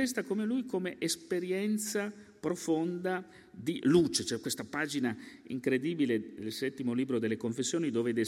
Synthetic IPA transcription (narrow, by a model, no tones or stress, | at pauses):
ɛst̪akomelujkomeʔespeɾjɛnt̪sa | pɾofond̪a | d̪iluːt͡ʃet͡ʃoɛkːwest̪apaːd͡ʒinaḭŋkɾed̪iːbiled̪elsɛt̪ːimoliːbɾod̪elːekoɱfesːjoːnid̪oːved̪e